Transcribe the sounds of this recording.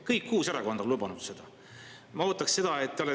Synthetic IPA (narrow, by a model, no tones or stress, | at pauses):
kɤjkːuːseɾɑko̞nd̪̥ɑlub̥ɑnud̪̥se̞d̪̥ɑ | mɑo̞ːt̪ːˑɑksse̞d̪̥ɑet̪ːeole